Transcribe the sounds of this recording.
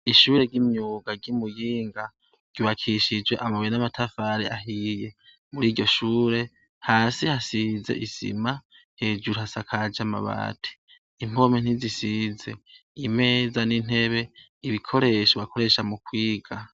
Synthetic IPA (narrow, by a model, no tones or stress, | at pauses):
iʃuːɾe̞ɡɟimɲuːɡaɡimujiːŋɡa | ɟ̥uβakʰiʃid͡ʒwe̞ʔamaβoɾenamatʰafaɾeʔaɦije̞ | muɾiːɟɟo̞ʃuːɾe̞ | haːsihasize̞̰ʔisḭma | he̞ːd͡ʒuɾuhasakʰad͡ʒama̰βa̰ːtʰi̥ | im̥o̞men̥izisize | ime̞ːzanin̥e̞βe̞ | iβikʰo̞ɾe̞ʃoβakʰo̞ɾe̞ʃamukwiːɡ̥a